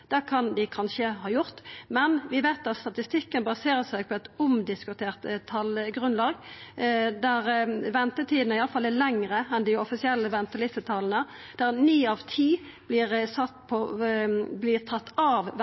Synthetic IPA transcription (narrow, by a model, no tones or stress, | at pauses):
d̪̥ɛkʰɑnd̪ɪkʰɑnʃəhɑːjʊʁt̪mɛnʋɪʋæɪt̪ɑt̪st̪ɑt̪ɪst̪ɪkːənbɑseːʁəsæɪɡ̚pʰɔɛt̪ʊmd̪ɪskʉt̪ʰeːʁt̪t̪ʰːɑlɡʁʉnlɑːɡ | d̪æʁʋɛnt̪ət̪ʰiːd̪n̩əɪɑləfɑlːælɛŋʁəɛnd̪ɪɔfɪsɪɛlːəʋɛnt̪əlɪsət̪ʰɑlnə | d̪̥æʁnyːɑʋt̪ʰiː | blɪːʁsɑt̪pʰɔ | blɪːʁt̪ʰɑt̪ːɑʋʋ